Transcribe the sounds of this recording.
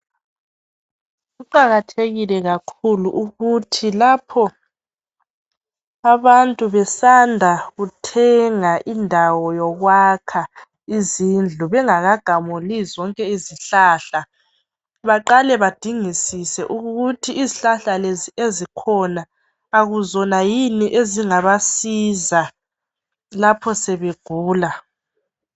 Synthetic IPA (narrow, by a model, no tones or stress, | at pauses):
ɣuǃaɣatʰeɣilɛɣakʰuluʔuɣutʰilapʰɔ | aβantʼuβɛsandʱaɣutʰɛŋaʔindʱawɔjɔɣwakʰa | izind͡ɮʱuβɛŋaɣaɡ̥ʱamulizɔŋkʼɛiziɬaːɬa | βaǃalɛβad̥ʱiŋisisɛʔuɣɣutʰiːziɬaɬaleziezikʰɔnaː | ɣuzɔnajiniʔeziŋaβasiza | lapʰɔsɛβeɡ̥ʱuːla